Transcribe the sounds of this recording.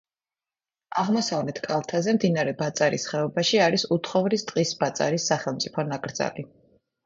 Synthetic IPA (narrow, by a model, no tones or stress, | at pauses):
aʁmɔsavlɛt̪ʰkʼalˠt̪ʰazɛmd̪inaɾɛbat̪sʼaɾisχɛɔbaʃiaɾisut̪ʰχɔvɾist̪ʼqʼisbat̪sʼa̰ɾisːaχɛlˠmt̪sʼipʰɔnakʼɾd̪z̥a̰li